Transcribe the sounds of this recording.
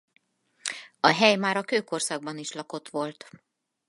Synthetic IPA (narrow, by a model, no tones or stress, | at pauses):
ɒɦɛjmaːɾɒkøːko̞rsɒɡ̚bɒniʃlɒko̞t̪ʋo̞lt̪